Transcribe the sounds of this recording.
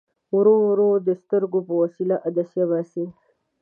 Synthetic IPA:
wɾoɾod̪əst̪əɾɡopəwasilaʔad̪asjaβasi

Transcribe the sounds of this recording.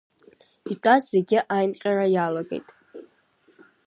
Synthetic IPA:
itʷʼazzeɡʲɪʔajnqʲʼaɾajalaɡe̞̰jtʼ

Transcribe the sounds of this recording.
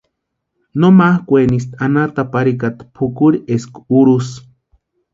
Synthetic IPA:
nomahkʷenis̬t̪anat̪apaɾikat̪pʰukuɾieskuɾus

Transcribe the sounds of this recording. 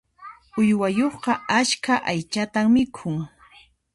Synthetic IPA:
ʊjwajoχqɑaʃkʰaʔajt͡ʃat̪aŋmɪkʰʊŋ

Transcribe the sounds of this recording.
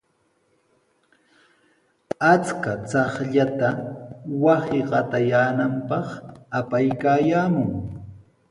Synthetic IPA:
at͡skat͡sɑχʎat̪awasɪɢɑt̪ajaːnampɑχapajkaːjaːmʊŋ

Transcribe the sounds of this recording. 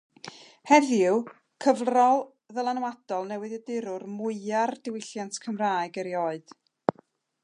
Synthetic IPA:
hɛðjʊ | kʰəvrɔlˠ | ðəlˠanwad̥ɔlˠnɛwɨðədɪɾʊrmʊɨardɪwɪɬjantkʰəmraːɨɡəɾjoːɨd̥

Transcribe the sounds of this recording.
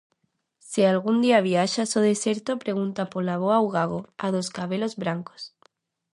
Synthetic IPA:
sialɣ̞und̪iaβ̞iaʃasoð̞eseɾt̪opɾeɣ̞unt̪apolaβ̞oawɣ̞aɣ̞oað̞oskaβ̞elozβɾaŋko̥s

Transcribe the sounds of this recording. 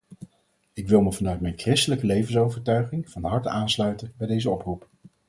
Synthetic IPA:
ɪkʋɪlˠməvɑnœɥtmɛjnkrɪstələkəlejvənsowvəɹtœɥχɪŋvɑnɦɑɹtaːnslœɥtənbɛjdejzəɔprup

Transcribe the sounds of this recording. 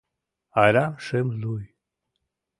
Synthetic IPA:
aɾʲamʃemluj

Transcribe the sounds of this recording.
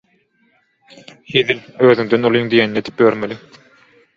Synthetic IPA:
hiðiløːðyŋd̪ønolˠijŋd̪ijeninied̪ip̚bøɾmelʲi

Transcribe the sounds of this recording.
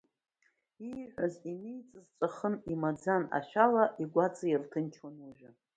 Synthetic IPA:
iʕʷazinijt͡sʼɨzt͡ʃʷʼaχənimad͡zana̰ʃalaʔiɡʷat͡sʰʼajirtʰɨnt͡ʃʰwanuʒᶣa

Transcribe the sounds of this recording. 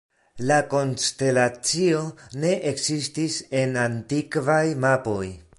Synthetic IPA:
lako̞nste̞lat͡sio̞ne̞ʔeksistise̞nantikvajmapo̞j

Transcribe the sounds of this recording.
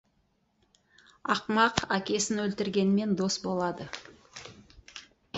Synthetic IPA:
ɑqmɑqækʲe̞sɪnwɵlt̪ɪɾɡʲe̞nɪme̞nd̪o̞sbo̞lˠɑd̪ə

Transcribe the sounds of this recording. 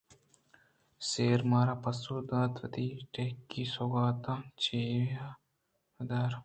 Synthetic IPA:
seːɾmaːɾaːpɐsuːd̪aːt̪ʋɐt̪iːʈekːiːsoɡaːt̪ãːt͡ʃeːja | d̪aːɾ

